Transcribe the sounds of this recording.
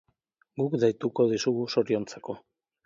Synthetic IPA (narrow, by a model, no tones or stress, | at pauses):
ɡukd̪ajt̪uko̞ðisuɣuso̞ɾio̞nt͡sako̞